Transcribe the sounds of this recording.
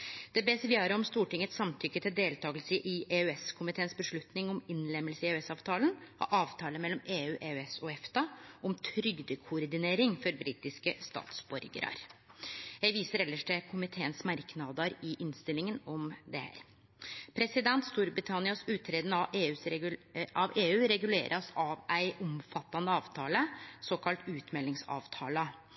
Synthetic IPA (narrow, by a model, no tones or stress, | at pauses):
d̪̥ɛbɛsəɾʋɪjøːɾəɔmst̪uːʈɪŋːət̪sɑmt̪ʰʏkːət̪ʰɪld̪eːlt̪ʰɑːɡəlsəʔɪeʉɛskʰʊmɪt̪ʰeːənsbəʂɭʉt̪nɪŋɔmɪnlɛmːəlsəɪeʉɛsɑːʋt̪ʰɑːlənɔ̰ʔɑːʋt̪ʰɑːləmɛlːɔmeːʉːʔeːʉɛsɔɛft̪ɑʔɔmt̪ʰɾʏɡd̪əkʰʊɔɾd̪ɪneːɾɪŋfɔɾbɾiːt̪ɪskəst̪ɑ̰ːt̪sbɔɾɡə̰ɾɑ̰ɾ | jæɪʋiːsəɾɛlːəʂʈɛkʰʊmɪt̪ʰeːənsmæɾknɑd̪əɾɪʔɪnst̪ɪlɪŋənɔmd̪ɛhæ̰ːɾ | pʰɾɛsɪd̪ɛnt̪st̪uːɾbɾɪt̪ʰɑnɪɑsʉːt̪ʰːɾeːd̪ənəɑeːʉːsʔɑʋeːʉːɾɛɡʉlḛːɾʔɑsɑʋæɪʔɔmfɑt̪ːɑnəɑːʋt̪ʰɑːləsoːkʰɑlt̪ʉːt̪mɛlːɪŋsɑ̰ːʋt̪ʰɑ̰ːlə